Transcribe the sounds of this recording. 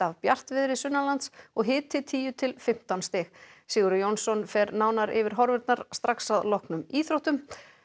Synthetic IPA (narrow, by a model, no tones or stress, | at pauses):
avpjar̥t̪vɪðɾɪsʏnːalant̪sɔɣɦɪːt̪ʰɪt̪ʰiːjʏt̪ʰɪlfɪm̥t̪anst̪ɪxsiːɣʏɾjownsɔnfɛɾnaːwnaɾʔɪ̰vɪɾ̥ɦɔɾvɛɾt̪naɾ̥st̪ɾʔaksaðlɔhknʏmiːθɾowht̪ʏm